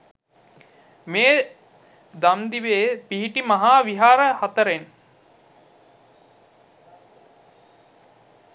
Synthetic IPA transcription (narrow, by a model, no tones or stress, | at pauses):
meː | d̪amd̪iʋeːpiɦiʈimaɦaːʋiɦaːɾəhat̪əɾen